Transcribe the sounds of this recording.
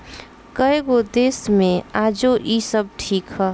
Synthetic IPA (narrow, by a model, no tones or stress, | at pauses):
kəeɡod̪eːsmẽaːd͡ʒoʔisəb̚ʈʰiːkɦɛ